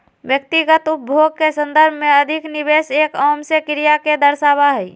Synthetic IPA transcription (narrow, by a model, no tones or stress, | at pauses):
bjək̚t̪iɡət̪up̚bʱoɡ̚kesə̃nd̪əɾbʱmẽəd̪ʱɪkniβeːseːkɔːmsekɪɾijaked̪əɾsaːbaɦɛi